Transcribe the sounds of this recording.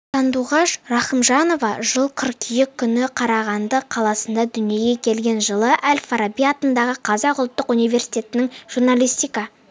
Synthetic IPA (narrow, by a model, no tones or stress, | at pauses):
sɑnd̪uʁɑʃrɑχəmʒɑno̞vɑʒəlˠqʰəɾkʲʰijɪkʲʰːʏnɪqʰɑɾɑʁɑnd̪əqʰɑlˠɑsənd̪ɑd̪ʏnije̞ɡʲe̞kʲʰe̞lɡʲe̞nʒəlˠəʔælʲfaɾabijɑt̪ənd̪ɑʁəqʰɑzɑqʊlˠt̪ːəqunijve̞ɾsijt̪ʲe̞t̪ɪnɪŋʒ̥urnalʲijst̪ijkɑ